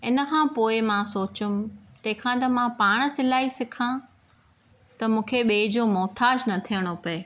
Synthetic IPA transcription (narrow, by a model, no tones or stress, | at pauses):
ɪnə̆kʰãːpoːɪmãsoːt͡ɕʊmt̪ɐ̃ɦɪ̃kʰãːt̪ɐmãpaːɽ̃̆sɪlaːisɪkʰã | t̪ɐmũːkʰeɓeːd͡ʑomɔːt̪ʰaːd͡ʑnɐt̪ʰijəɽ̃opɐe